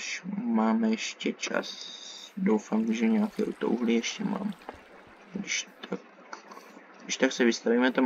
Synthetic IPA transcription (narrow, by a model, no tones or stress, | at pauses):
ʃmaːmɛjɛʃcɛt͡ʃa̰sdowfamʒɛɲɛaːkɛːʔut̪o̰ʔuɦlijɛʃcɛma̰ːm | dɪʃt̪ʰak | dɪʃt̪aksɛvɪst̪avimɛt̪a